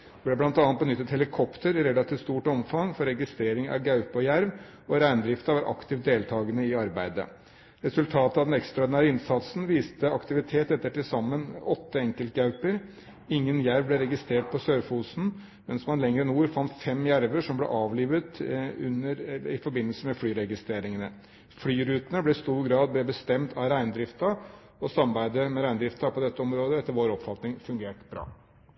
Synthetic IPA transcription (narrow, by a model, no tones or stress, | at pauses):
blɛblɑnt̪ɑnət̪̚bənʏt̪ːət̪hɛlɪkʰɔpt̪əɾɪɾɛlɑt̪ʰiːʋt̪st̪uːʈɔmfɑŋfɔɾɛɡɪst̪ɾeːɾɪŋɑ̰ɡɑʉpɔjæɾʋ | ɔɾæɪnd̪ɾɪft̪ɑʋɑɾʔɑ̰kt̪ʰɪːʋd̪eːlt̪ʰɑːɡənəɪɑɾbæɪd̪ə̰ | ɾɛsʉlt̪ʰɑːt̪əɑʋd̪ɛnɛkst̪ɾɑɔɖ̪ɪnæːɾəɪnsɑt̪sn̩ʋiːst̪əɑkt̪ɪʋɪt̪ʰeːt̪ɛt̪ːəʈɪsɑmːənɔt̪ːəɛŋkəlt̪̚ɡɑʉpəɾ | ɪŋːənjæɾʋblɛɾɛɡɪst̪ɾeːʈ̚pʰɔsøːɾfuːsn̩ | mɛnsmɑnlɛŋɾənuːɾfɑnt̪fɛmjæɾʋəʂɔmblɛ̰ʔɑːʋliːʋət̪ʉ̰nːəɾɪfɔɾbɪnːəlsəmɛflyːɾɛɡɪst̪ɾeːɾɪŋənə | flyːɾʉːt̪ənəblɛɪst̪uːɾɡɾɑːd̪̚b̪ɛbəst̪ɛmt̪ʰɑɾæɪnd̪ɾɪft̪ɑ | ɔsɑmɑbæɪd̪əmɛɾæɪnd̪ɾɪft̪ɑpʰɔd̪ɛt̪ːəɔmɾoːd̪əɛt̪ːəɾʋoːɾɔpfɑt̪nɪŋfʉŋɡeːʈb̥ɾɑ̰ː